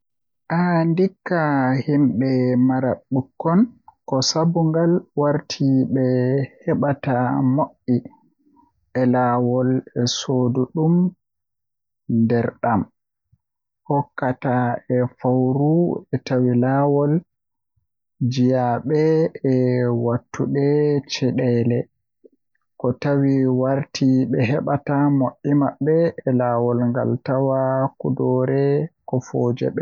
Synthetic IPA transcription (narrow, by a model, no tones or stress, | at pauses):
ʔandikːahimɓɛmaɾaɓːukːɔnkɔsabuŋɡalwaɾtʰiɓɛhɛɓatamoʔːi | ɛlawɔlɛsoduɗum | ndɛɾɗam | hɔkːataɛfawɾuɛtawilaːwɔl | d͡ʒijaɓɛɛwatːuɗɛt͡ʃɛɗɛlɛ | kɔtawiwaɾtʰiɓɛɦɛɓatamoʔimaɓɛːlaːwɔlŋɡa̰ltawakudɔɾɛkɔfoːd͡ʒɛ̰ɓɛ